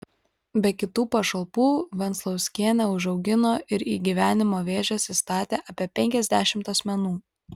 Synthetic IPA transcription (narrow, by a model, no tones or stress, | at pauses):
bʲɛkʲɪt̪uːpɐʃɐlˠpuːʋʲɛnt̪slˠɒʊsʲkʲiɛnʲɛʊʒɒʊɡʲɪnoːʔɪɾiːɡʲiʋʲæːnʲɪmoːʋʲeːʒʲɛsʲist̪ɑːt̪ʲeːʔɑːpʲiɛpʲɛŋʲkʲɛzʲd̪ʲæːʃʲɪmt̪ɐsʲmʲɛnuː